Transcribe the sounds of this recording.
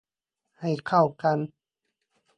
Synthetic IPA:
ha˨˩jkʰa˧˩wka˧n

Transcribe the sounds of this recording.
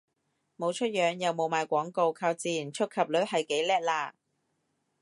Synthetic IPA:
mo˨˧wt͡ʃʰɵ˥t̚jœː˨˧ŋjɐ˨wmo˨wmaː˨˧jkʷɔː˨˥ŋko˧wkʰaː˧wt͡siː˨jnt͡ʃʰɵ˥t̚kʰɐ˨p̚lɵ˨˥hɐ˨jke˨˥jlɛː˥t̚laː˧

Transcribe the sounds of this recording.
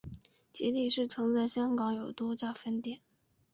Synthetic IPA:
t͡ɕjɛ˧˥li˥˧˩ʂɻ̩˥˩t͡sʰɤ˧˥ŋt͡sa˥˩ɪɕjɑ˥ŋkɑ˧˥ŋjo˨˩ʊt̪wɔ˥t͡ɕa˥˩fə˥nt̪jɛ˨˩˦n

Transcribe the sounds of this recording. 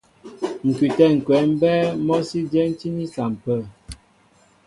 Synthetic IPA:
ŋ̩˨ki˨tɛ˦˨ŋ̩˨kwɛ˨˦m̩˦bɛ˦mɔ˦si˦d͡ʒɛ˦n̩˦t͡ʃi˦ni˦sa˨m̩˨pə˦˨

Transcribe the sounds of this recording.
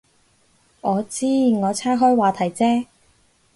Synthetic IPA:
ʔɔː˨˧t͡siː˥ŋɔː˨˧t͡sʰaː˥ɦɔː˥jwaː˨˧t̪ʰɐ˨˩jt͡sɛː˥

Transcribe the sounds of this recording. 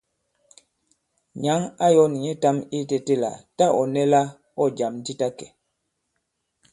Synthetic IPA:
ɲa˨˦ŋa˦jɔ˦ni˨ɲi˦ta˦mi˦te˦te˦la̰˨ta˦ʔɔ˨nɛ˦la˦ | ɔ˦d͡ʒa˨m˦ti˦ta˦kɛ˨

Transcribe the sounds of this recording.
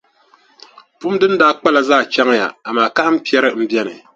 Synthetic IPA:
pu˦m˦dɨ˦ndaː˦k͡pa˦la˨zaː˦˨t͡ʃɛ˦ŋ˦ja̰˨a˨maː˨ka˦hɨ˦m̩˦pi˦ɛ˦ɾɨ˦m̩˦bjɛ˦nɨ˨

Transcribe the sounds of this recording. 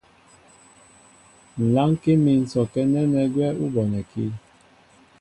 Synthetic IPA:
n̩˨la˦ŋ˦ke˦mi˨n̩˨sɔ˨kɛ˦nɛ˦nɛ˨ɡwɛ˦u˦bɔ˨nɛ˨kḭ˦

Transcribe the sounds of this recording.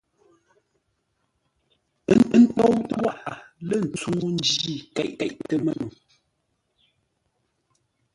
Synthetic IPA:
n̩˦tɔ˦wtə˦wa˦˨ʔa˨lə˦˨n̩˨t͡suː˦n˦d͡ʒi˦˨kɛ̰˨ʔkɛ̰˨ʔtə˨mə˦nu˨

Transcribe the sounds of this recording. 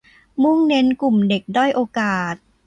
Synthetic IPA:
mu˥˩ŋne˦˥nku˨˩mde˨˩k̚dɔ˥˩jʔoː˧kaː˨˩t̪̚

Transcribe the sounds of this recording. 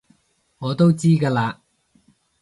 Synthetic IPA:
ŋɔː˨˧t̪o˥wt͡siː˥kaː˧laː˧

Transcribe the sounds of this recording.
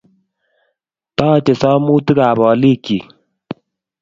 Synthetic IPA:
tɔː˦˨t͡ʃe˨sɔ˦mu˦ti˦ka˨bɔ˨li˦˨ki˨

